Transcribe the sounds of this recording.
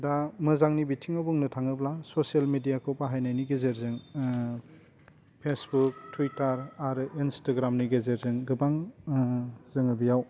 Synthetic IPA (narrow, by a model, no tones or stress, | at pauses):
damɯzaŋnibitʰiŋabɔŋnɯtʰaŋɯblasosialmedijakʰɯwpaɦajnajniɡezeɾzɯŋ | pʰesbuk̚tʰuitaɾaɾɯʔinstaɡɾamniɡezeɾzɯŋɡɯbaŋ | zɯŋɯbijaw